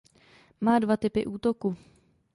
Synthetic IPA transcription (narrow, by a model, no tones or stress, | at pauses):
maːdvat̪ɪpɪ̰ʔuːt̪o̞ku